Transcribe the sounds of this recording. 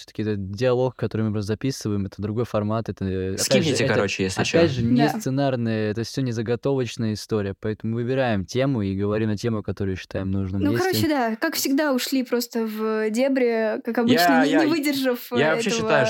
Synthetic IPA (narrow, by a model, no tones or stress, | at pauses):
sʲo̥t̪ə̥kʲɪɛt̪ət̪̚dʲɪɐlˠo̞kkːɐt̪o̞ɾɨjmɨpɾost̪zɐpʲisɨvəjɪmɛt̪əd̪ɾʊɡo̞jfɐrmat̪ɛt̪əɐkʲpæiɪɨtʲɪɛkɐɾɾot͡ɕɪjesʲlʲɐpʲædʲʐɨnʲɪst̪sɨnarnɨjəɛt̪əsʲonʲɪzəɡɐt̪o̞vət͡ɕnəjəɪst̪oɾʲɪjəpɐɛt̪əmʊmɨvɨbʲɪɾajɪmtʲe̞mʊiɡəvɐɾʲimnɐtʲe̞mʊɐkɐt̪o̞ɾʊjɕːɪ̥t̪ajɪmnuʐnɨmnujekɐɾoɪt͡ɕɪd̪akakfsʲɪɡd̪aʊʂlʲipɾo̞st̪əvdʲebɾʲɪkakɐbjɨt͡ɕnnənjʲɪvɨdʲɪrʐɨfjaɐɛɕeəɕːɪvət̪ajʊ